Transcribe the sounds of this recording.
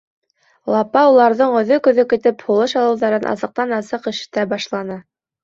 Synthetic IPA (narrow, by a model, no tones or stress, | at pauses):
lˠɑpɑulˠɑɾðɤɴɵ̆ðɵkɵ̆ðɵkɘ̆t̪ɘphulˠɤʃɑlˠɤ̆wðɑɾɤnʔɑ̰sɤ̆q̚t̪ɑnɑsɤqɘ̆ʃt̪æbɑʃlˠɑnɤ